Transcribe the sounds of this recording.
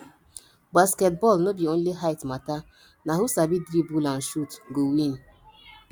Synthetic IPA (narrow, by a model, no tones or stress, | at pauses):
baskɛt̚bɔlnobionliɦaɪtmata | naɦusabidɾibulãn̩ʃutɡowin